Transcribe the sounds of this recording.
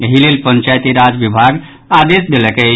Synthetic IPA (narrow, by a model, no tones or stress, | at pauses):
ɦilelpənt͡ʃajt̪iɾad͡ʒbibʱaɡ | ad̪esd̪elɛkɛ